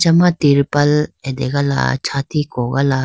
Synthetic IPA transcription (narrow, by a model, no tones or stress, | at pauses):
t͡ʃɐmat̪iɾpɐlɛd̪eɡala̰t͡ʃʰaːt̪ikoɡala